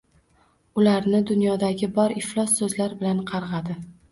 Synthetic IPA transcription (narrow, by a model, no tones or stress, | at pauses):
ʊlaɾnɪd̪ʊnjɒd̪aɡʲɪbɒɾɪflˠɒsːɵzlaɾbɪlanqʰɑɾʁɑd̪ɪ